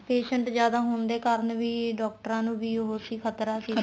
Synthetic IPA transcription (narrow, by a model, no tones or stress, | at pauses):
peːʃəɳʈzjaːd̪aːɦʊnd̪eːkaːɾənʋiːɖɔːk̚ʈəɾãːnũːbiːɦoːsiːkʰət̪ɾaːsiː